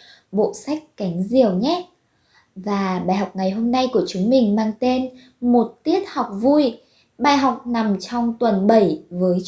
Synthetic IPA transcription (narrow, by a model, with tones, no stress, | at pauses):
ɓo̰˧˨sa˦˥jk̟̚ka˨˦jŋ̟zi˨˩əwɲɛ˦˥t̚ | vaː˨˩ɓaː˨˩jhɦɔ˨˩wk͡p̚ŋa˨˩jɦo˧mna˧jku˧˩ət͡ɕʊ˨˦ŋmï˨˩ŋ̟maː˧ŋt̪e˧n | mo˨˩t̚t̪i˦˥ət̚hɔ˨˩wk͡p̚vu˧j | ɓaː˧˩jɦa˨˩wk͡p̚na˨˩mt͡ɕɔ˧wŋ͡mt̪wə˨˩nɓə˧˩jvəː˨˦j